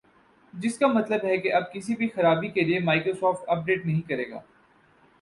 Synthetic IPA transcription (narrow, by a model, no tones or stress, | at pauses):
d͡ʒɪskamɐt̪ləbɦɛkeʔɐb̚kɪsibʱixɐɾaːbikeliemaːɪkɾosɔːfʈɐp̚ɖeːʈnɐɦĩkɐɾeːɡa̰ː